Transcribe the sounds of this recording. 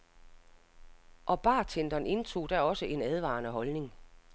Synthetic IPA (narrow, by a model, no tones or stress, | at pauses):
ʔɒ̽b̥ɑ̈ːt͡sʰend̥ɐne̝nt͡sʰo̝̰ːd̥æɒ̽səʔe̝næð̞ˠʋɑ̰̈ːnəɦɒ̽lne̝ŋ